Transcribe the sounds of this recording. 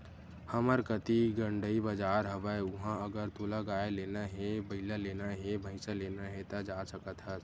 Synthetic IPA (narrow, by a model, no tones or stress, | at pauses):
həməɾkət̪iɡəɳɖəibəd͡ʒaːɾɦəbəeʊɦãəɡəɾt̪uːlaɡaːeleːnaɦẽbəɪlaleːnaɦẽbʱəɪsəleːnaɦẽt̪ad͡ʒasəkət̪ɦə